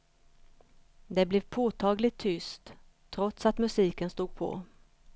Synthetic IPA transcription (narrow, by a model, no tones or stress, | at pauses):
d̪ɛblɛvpʰoːt̪ʰɑːɡlɪt̪ʰːʏst̪ʰː | ɾɔt̪sat̪mɵsiːkənst̪uːɡ̚pʰɔ̰